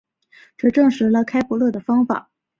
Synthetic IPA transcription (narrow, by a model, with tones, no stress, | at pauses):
ʈ͡ʂɤ˥˧ʈ͡ʂɤ˥˩ŋʂɻ̩˧˥lə˧kʰa˥ɪpu˧˥lɤ˥˩d̪ə˩fɑ˥ŋfa̰˨˩˦